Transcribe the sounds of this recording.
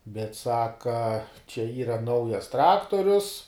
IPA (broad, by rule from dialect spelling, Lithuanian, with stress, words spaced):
bʲɛt ˈsɑːkɐ t͡ʃʲɛ ˈiːrɐ ˈnɐʊjɛs ˈtrɑːktoːrʲʊs